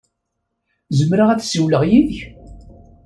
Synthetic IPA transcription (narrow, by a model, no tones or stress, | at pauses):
zəmɾaʁæt͡ssiwləʁjiðç